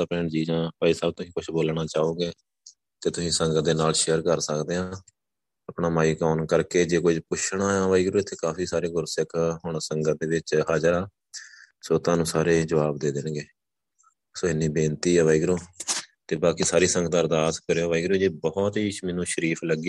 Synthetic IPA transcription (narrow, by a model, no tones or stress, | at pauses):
aːpɛːɳd͡ʒiːd͡ʒãːpaːiːsaːb̚t̪ʊsĩːkʊʃʰboːlɽ̃aːt͡ʃaːõːɡeː | t̪eːt̪ʊsĩːsəŋɡət̪̚d̪eːnaːlʃejəɾkəɾsəkd̪eːãː | əpɳaːmaːiːkɔːnkəɾkeːd͡ʒeːkʊd͡ʒpʊʃʰɽ̃aːãːʋaːiɡɾoːɪt̪ʰːeːkaːpʰiːsaːɾeːɡʊɾsəkɦʊɳ̃səŋɡət̪̚d̪eːʋɪt͡ʃɦaːd͡ʒəɾaː | soːt̪ãːnũːsaːɾeːd͡ʒəʋaːbd̪eːd̪ɪnɡeː | soːɪnːĩːbẽːnt̪iːɛːʋaːiɡɾõːt̪eːbaːkiːsaːɾiːsəŋɡət̪əɾd̪aːskəɾeːoːʋaːiːɡɾõːd͡ʒeːbɔɦɔt̪ɦiːmɪnũːʃəɾiːpʰləɡi